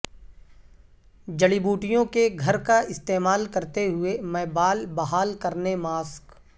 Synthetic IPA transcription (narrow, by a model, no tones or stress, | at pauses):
d͡ʒɐɽibuːʈɪjõkeɡʱɐɾkaɪst̪eːmaːlkɐɾt̪eɦʊemɛːbaːlbɐɦaːlkɐɾnemaːsk